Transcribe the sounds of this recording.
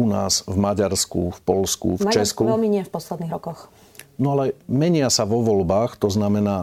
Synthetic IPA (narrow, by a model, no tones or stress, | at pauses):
una̰ːzvmaɟaɾskṵfpɔlskṵft͡ʃɛskuɛmiɲɪɛfpɔslɛd̪niːɣɾɔkɔx | nɔalɛmɛɲɪasaʋɔʋɔlbaːxt̪ɔznamɛnaː